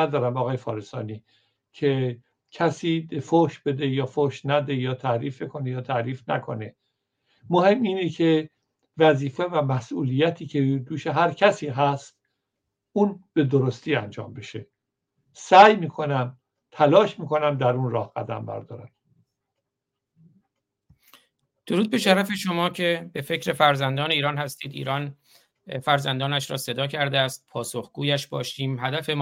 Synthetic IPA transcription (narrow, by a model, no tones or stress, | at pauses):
æd̪ɒːɾæmɒːɣɒːjefɒ̰ːɾesɒ̰ːniː | cʰe | cʰæsiːd̪efoʃb̥ed̪ejɒːfoʃnæd̪ejɒːt̪ʰæɾiːfbekʰo̞nejɒːt̪ʰæɾiːfnæ̰kʰo̞̰ne | mohe̞miːnecʰe | væziːfevæmæsʔuːliːjæt̪ʰiːcʰed̪uːʃeɦæɾcʰæsiːɦæst̪ | ʔuːnb̥e̞d̪oɾost̪ʰiːænd͡ʒɒ̰ːmbeʃe | sæːjmiːkʰo̞næm | t̪ʰælɒːʃmiːkʰo̞næmd̪æɾunɾɒːhɡ̥æ̰d̪æ̰mbæ̰ɾd̪ɒːɾæn | d̪̥o̞ɾuːd̪̚be̞ʃæɾæfe̞ʃo̞mɒːcʰe̞be̞fe̞cɾe̞fæɾzænd̪ɒːne̞iːɾɒːnhæst̪iːd̪ḭːɾɒːn | fæɾzænd̪ɒːnæʃɾɒ̰ːse̞d̪ɒːcʰæɾd̪eæːst̪̚pʰɒːsoxɡ̥uːjæʃbɒ̰ːʃiːmɦæd̪æfe̞m